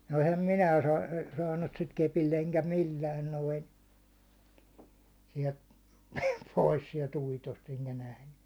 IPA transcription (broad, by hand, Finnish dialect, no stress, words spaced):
no̥ ehæm minæː sɑː sɑːnːut sit kepilː eŋkæ milːæːn noin̞ siɛlt pois siɛlt uitost eŋkæ næhnẙ